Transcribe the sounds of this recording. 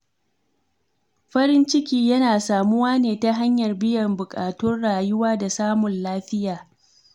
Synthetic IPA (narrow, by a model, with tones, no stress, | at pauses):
ɸɐ˦ɾɪ˦nt͡ʃɪ˦kʲiː˦jɐ˦naː˨saː˨mʊ˦waː˦neː˨ta˦ɦa˦ɲjɐ˨rbɪ˦jɐ˨mbʊ˨kʼaː˨tʊ˦rɽaː˨jʊ˦waː˦da˨saː˦mʊ˨nlaː˦ɸɪ˦jaː˨